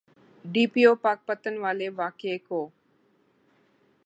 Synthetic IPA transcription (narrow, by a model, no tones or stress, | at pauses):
ɖiːpioːpaːk̚pət̪ənʋaːleʋaːkeekoː